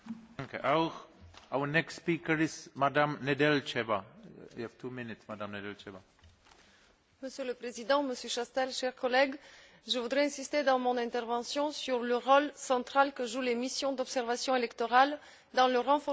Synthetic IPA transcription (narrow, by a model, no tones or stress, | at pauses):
ŋkeʔawʁawənɛkstspiːkəɹɪzmadamnedɛlt͡ʃɛbaḭhɛv̥tʰuːmɪnɪtsmadãmnɛdɛlt͡ʃɛva | məsjøləpχezid̪ɑ̃məsjøʃast̪ɛlʃɛʁkɔlɛɡ | ʒəvud̪ʁɛɛ̃sist̪ed̪ɑ̃mɔ̃nɛ̃t̪ɛʁvɑ̃sjɔ̃syʁləʁolsɑ̃t̪χalkəʒulemisjɔ̃d̪ɔpsɛʁvasjɔ̃elɛkt̪ɔʁal | d̪ɑ̃ləʁɑ̃fɔ